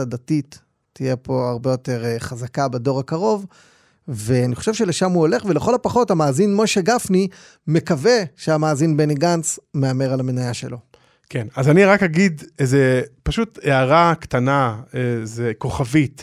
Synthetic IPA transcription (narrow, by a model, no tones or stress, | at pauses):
adatitː | ijepo̞aʁbe̞jo̞te̞ʁχazakabedo̞ʁakaʁo̞v | veaniχo̞ʃevʃe̞le̞ʃamhuo̞le̞χveleχo̞lapaχo̞thamaːzinmo̞ʃeɡafni | me̞kave̞ʃeamaːzinbeniɡant͡sme̞ame̞ʁalamenajaʃe̞̰lo̞ | kʰenazaniʁakhaɡid̪ezepaʃuteaʁakt̪anaezeko̞χavit̪